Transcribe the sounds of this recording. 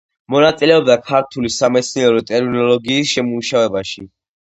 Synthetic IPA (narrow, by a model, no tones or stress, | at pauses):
mɔnat̪sʼilɛɔbd̪akʰaɾt̪ʰulisamɛt̪sʰniɛɾɔt̪ʼɛɾminɔlɔɡiːsʃɛmuʃavɛbaʃi